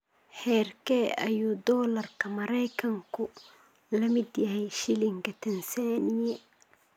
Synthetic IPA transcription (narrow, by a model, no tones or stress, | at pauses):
hɛːrkʰɛɐ̰juːd̪ɔːlɐrkʰɐmɐɾɛjkʰɐŋkʰʊ | lɐmɪd̪jɐhɛjʃɪlɪŋkɐt̪ʰɛnsaːnijɛ